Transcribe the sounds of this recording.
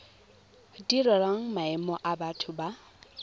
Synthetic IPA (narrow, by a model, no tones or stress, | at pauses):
diɾɔɾaŋ̩maɛmɔʔabatʰʊba